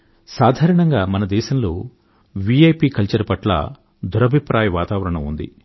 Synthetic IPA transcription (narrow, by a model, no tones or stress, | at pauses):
saːd̪ʱaːɾɐɳɐŋɡaːmɐnɐd̪ɛːʃɐmloː | ʋiejpiːkɐlt͡ʃɐɾɐpɐʈlɐ̰ | d̪ʱuɾɐbʱipɾaːjɐʋaːt̪aːʋɐɾɐɳɐmund̪ḭ